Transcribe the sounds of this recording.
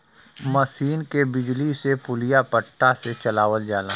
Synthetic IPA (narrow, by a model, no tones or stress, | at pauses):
məsiːnkebɪd͡ʒlisepʊlijapəʈːaset͡ʃɐlaːʋəld͡ʒaːla